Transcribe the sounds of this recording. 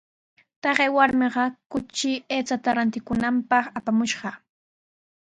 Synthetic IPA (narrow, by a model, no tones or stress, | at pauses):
t̪ɑɢewaɾmɪɢɑkʊt͡ʃɪeːt͡sat̪aɾant̪ɪkʊnampɑχapamʊʃɢɑ